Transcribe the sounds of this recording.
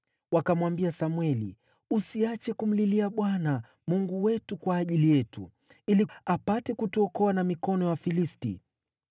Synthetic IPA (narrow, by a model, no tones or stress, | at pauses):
wakamwambiasamwɛlḭ | usiat͡ʃɛkum̩liliaɓwana | muŋɡuwɛtukwaːʄilijɛtṵ | iliapatɛkutuɔkɔanamikɔnɔjafilistḭ